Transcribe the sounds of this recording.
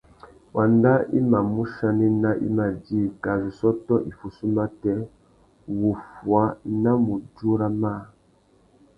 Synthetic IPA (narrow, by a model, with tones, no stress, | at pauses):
wa˨nda˦ḭ˦ma˨mu˦ʃa˨nɛ˦na˦ʔḭ˦ma˨di˦˨ka˨zu˨sɔ˦tɔ˦ʔi˨fu˨su˦ma˦tɛ˦ | wu˨fwa˨˦na˦mu˨d͡ʒu˦ɾa˦ma˦